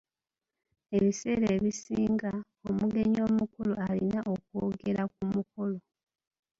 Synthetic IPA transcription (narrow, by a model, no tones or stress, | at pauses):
e̞βise̞ːɾeːβisiːŋɡa | o̞muɡe̞ɲo̞ːmukuloalinaʔo̞k̚woːɡe̞ɾakumukulo